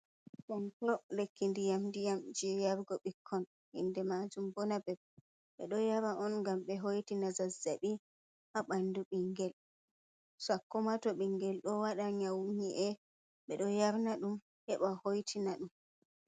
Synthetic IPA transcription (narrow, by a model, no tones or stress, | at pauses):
santɔlekʰːindijamdijamd͡ʒɛjaɾɡɔɓikʰːɔn | hḭndɛmad͡ʒumbɔnabɛb̚ | ɓɛ̰ɗɔjaɾaʔɔnŋɡamɓɛɦojtinazazːaɓi | haɓanduɓiŋɡɛl | sakːɔmatɔɓiŋɡɛlɗɔwaɗaɲawɲiʔɛ | ɓɛɗɔjaɾnaɗum | hɛɓahojtʰinaɗum